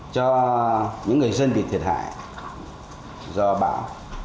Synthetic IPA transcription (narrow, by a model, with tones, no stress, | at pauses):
t͡ɕɔ˧ | ɲɨ̰˧˥ŋːɨ˨˩əjzə˧nɓḭ˧˨t̪ʰi˨˩t̚ha̰ː˧˨j | zɔ˧ɓa̰ː˧˥w